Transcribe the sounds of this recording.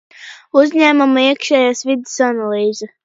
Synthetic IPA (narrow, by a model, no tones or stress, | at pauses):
uzʲɲʲæːmamaiɛkʃɛːjaːsvid̪ɪsanalˠiːzɨ